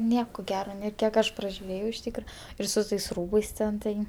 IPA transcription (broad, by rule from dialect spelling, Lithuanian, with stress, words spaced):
ˈnʲiɛkoː ˈɡʲæːroː ˈnʲeː ˈkʲiɛk ɐʃ prɐʒʲʊˈrʲeːjɛʊ ɪʃ ˈtʲiːkrɐ ɪr sʊ ˈtɐɪs ˈruːbɐɪs ˈtʲɛn ˈtɐɪ